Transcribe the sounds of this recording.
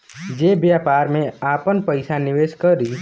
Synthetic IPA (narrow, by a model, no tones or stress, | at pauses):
d͡ʒeːbjaːpaːɾmẽaːpənpəɪsanɪʋeːʃkəɾiː